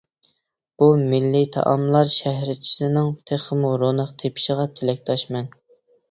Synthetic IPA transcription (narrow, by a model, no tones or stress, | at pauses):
b̥umɪlːit̪ʰɑ̰ʔɑmlˠɑɾʃæhɾɪt͡ʃʰi̥sɪnɪŋt̪ʰeχəmuɾonəqt̪ʰepʰi̥ʃəʁɑt̪ʰelɛk̚ʲt̪ʰɑʃmɛn